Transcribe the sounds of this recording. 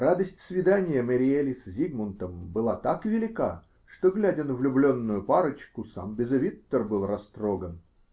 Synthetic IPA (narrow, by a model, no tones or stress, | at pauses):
rad̪əsʲtʲsvʲɪd̪anʲɪjəməɾʲɪelʲɪsʲzʲiɡmənt̪əmbɨlˠat̪akvʲɪlʲɪka | ʂt̪oɡlʲædʲɪnvlʲʊblʲo̞nːʊjʊpaɾət͡ɕkʊsa̰mbʲɪzɐvʲit̪ːərbɨlˠrɐst̪ɾoɡən